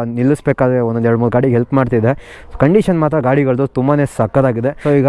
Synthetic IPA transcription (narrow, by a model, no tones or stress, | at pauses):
nilːisbeːkaːd̪ɾeondonɛɾɽmuːlɡaːɽiɦelpmaːɖt̪id̪e | kɐɳɖiʃɐnmaːt̪ɾɐɡaːɽiɡɐɭd̪ut̪umbaːneːsɐkːɐd̪aːɡid̪e̞soːiːɡɐ